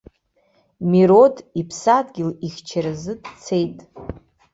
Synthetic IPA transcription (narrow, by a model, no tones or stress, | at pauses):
miɾodipʰsadɡʲɪlixʲt͡ʃʰaɾɨzɨdt͡sʰejtʼ